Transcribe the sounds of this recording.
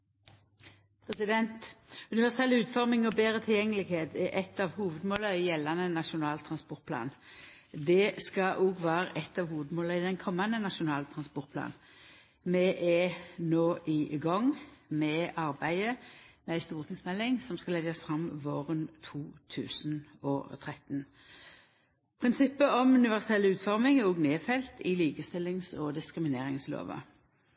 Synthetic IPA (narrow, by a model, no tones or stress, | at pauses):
pʰʁɛsɪd̪ɛnt̪ʉnɪʋæʁsɛlʉːt̪fɔʁmɪŋɔbeːʁət̪ʰɪljɛŋːəlɪɡheːt̪ɛʔɛt̪ːɑʋhuːʋəd̪moːləɪjɛlːɑnənɑʂʊnɑːlt̪ʰʁɑnspɔʁt̪̚pʰlɑ̰ːn | d̪ɛskɑʔuɡʋæːɾəʔɛt̪ːɑːʋhuːʋəd̪moːləɪd̪ɛnkʰɔmːɑnːənɑʂʊnɑːlt̪ʰʁɑnspɔʁt̪̚pʰlɑ̰ːn | mɛʔɛnoːʔɪɡɑŋmɛɑɾbæɪəmɛæɪst̪uːʁt̪ʰɪŋsmɛlːɪŋsɔmskɑlɛɡəsfʁɑmʋoːʁənt̪ʰuːt̪ʰʉ̰ːsnɔ̰t̪ʰʁɛt̪n | pʰʁɪnsɪpːəɔmʉnɪʋæʁsɛlːʉːt̪fɔʁmɪŋɛɔɡneːfɛlt̪ʰɪliːkəst̪ɪlːɪŋsɔd̪ɪskɾɪmɪneːɾɪŋslo̰ːʋə̰